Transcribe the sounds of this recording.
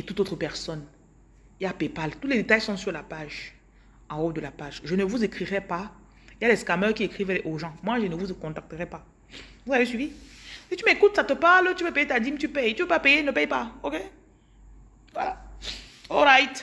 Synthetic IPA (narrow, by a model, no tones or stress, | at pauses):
et̪ut̪ot̪χəpɛʁsɔn | iljapepalt̪ut̪lɛd̪et̪ajsɔ̃syʁlapaʒ | ɑ̃ɔd̪əlapaʒʒənəvuzekχiʁɛpa | iljalɛskamœʁkiekχivɛʔoʒɑ̃mwaʒənəvuzkɔ̃t̪ak̚t̪əʁɛpa | vuzavesɥivisit̪ymekut̪sat̪əpaʁlt̪yvøpejet̪ad̪imt̪ypɛjt̪yvøpapejenəpɛjpaoke | vwa̰la | ɔlʁajt̪